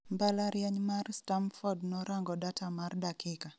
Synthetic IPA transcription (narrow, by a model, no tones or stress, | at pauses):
mbalaɾjaɲmarstamfɔdnɔɾaŋɡɔdatʰamardakika